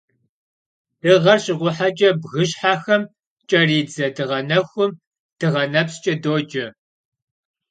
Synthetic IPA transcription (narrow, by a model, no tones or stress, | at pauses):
ɨʁɐrɕɪʁʷʊħad͡ʒʼɐbɣɨɕħaːxɐm | t͡ʃʼɐriːd͡zɐdɨʁɐnɐxʷʊm | d̥ɨʁɐnɐpst͡ʃʼɐdoːd͡ʒɐ